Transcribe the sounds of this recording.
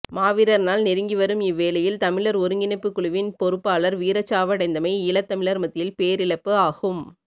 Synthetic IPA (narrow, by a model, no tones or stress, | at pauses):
maːʋɪɾɐɾnaːlnɪɾɯŋɡɪʋɐɾɯmɪʋːeːlɐjɪlt̪ɐmɪɭɐɾɔɾɯŋɡɪnɐɪpːɯkːɯɭʊʋɪnpɔɾɯpːaːlɐɾʋiːɾɐt͡ʃːaːʋɐɽɐɪnd̪ɐmɐɪɪlɐt̪ːɐmɪɭɐɾmɐt̪ːɪjɪlpeːɾɪɭɐpːɯaːɣɯm